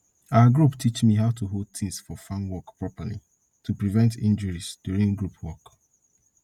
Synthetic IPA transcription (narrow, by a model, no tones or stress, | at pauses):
awəɡɹuptʰit͡ʃmiɦaʊtʰuɦod̚t̪ĩŋsfɔfãnwɔkpɹɔpəlḭ | tupɹivɛ̃ntḭ̃nd͡ʒəɹisd̥juɹĩŋɡɹupʰwɔk